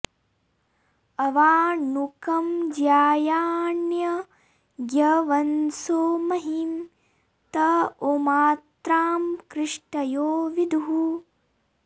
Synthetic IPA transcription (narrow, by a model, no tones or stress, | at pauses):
ɐʋaːnukɐmd͡ʒjaːjaːnjɐ | ɡjɐʋɐnsoːmɐɦim | t̪ɐomaːt̪ɾaːmkɾɪʂʈɐjoːʋid̪ʱuɦu